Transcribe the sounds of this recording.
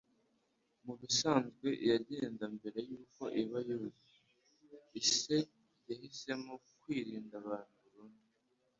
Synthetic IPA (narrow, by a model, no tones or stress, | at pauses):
muβisaːnzɡwe̞ʔjaɟe̞ːndambe̞ɾe̞juːko̞ʔiβajuzi | ise̞ | jahise̞mokwiːɾiːndaβaːn̥huβuɾuːndii